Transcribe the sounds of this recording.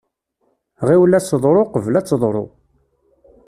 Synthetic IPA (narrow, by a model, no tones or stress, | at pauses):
ʁiwlæsəðˤɾˤoqəvlæt͡sːəðˤɾˤo̰